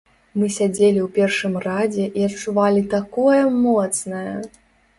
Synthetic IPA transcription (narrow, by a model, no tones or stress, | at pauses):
mɨsʲad͡zʲelʲiwpʲɛrʂɨmrad͡zʲɛʔiɐt͡ʂuvalʲit̪akɔjɐmɔt̪snɐjɐ